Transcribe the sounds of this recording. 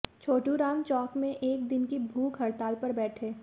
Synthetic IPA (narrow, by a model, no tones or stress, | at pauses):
t͡ʃʰoːʈuɾaːmt͡ʃɔːkmẽʔeːk̚d̪ɪnkibʱuːkɦɐɾt̪aːlpɐɾbɛːʈʰeː